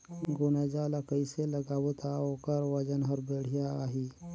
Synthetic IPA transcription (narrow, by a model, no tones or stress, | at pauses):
ɡʊnad͡ʒalakəiselɐɡaːwut̪ʰaoːkəɾwɐd͡ʒənɦɐɾbeːɽ̤ijaaːɦi